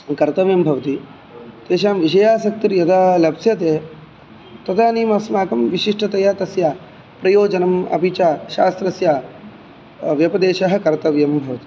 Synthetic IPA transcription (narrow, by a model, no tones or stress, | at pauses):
kɐɾt̪ɐʋjɐmbʱɐʋɐt̪i | t̪eːʃaːmʋiʃɐjaːsɐk̚t̪iɾjɐd̪aːlɐbsjɐt̪eː | t̪ɐt̪ʰaːniːmɐsmaːkɐmʋiʃiʂʈɐt̪ɐjaːt̪ɐsjaː | pɾɐjoːd͡ʒɐnɐmɐ̰bit͡ʃaːʃaːst̪ɾɐsjaː | ʋjɐpɐd̪eːʃɐɦɐ̆kɐɾt̪ɐʋjɐmbʱɐʋɐt̪i̥